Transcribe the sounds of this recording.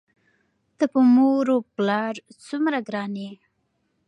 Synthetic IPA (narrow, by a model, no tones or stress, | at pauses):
t̪əpəmoɾoplɑɾt͡sumɾaɡɾɑne